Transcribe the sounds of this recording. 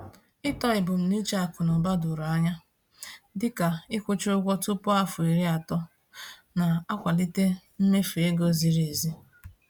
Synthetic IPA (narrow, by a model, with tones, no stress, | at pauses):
ɪ˦tɔ˦ɪ˨bʊ˨m̩˨ni˦t͡ʃa˦a˨kʊ˨nɔ˨ba˦dʊ˨ɾa˨a˦ɲa˦ | dɪ˦ka˨ɪ˦kʷʊ˦t͡ʃʊ˦ɡʷɔ˦tʊ˦pʊ˦a˦fʊ˨i˨ɾi˦a˨tɔ˦ | na˨a˦kʷa˨li˦te˦m̩˦me˦fe˦ɡo˦zi˨ɾe˨e˨zi˦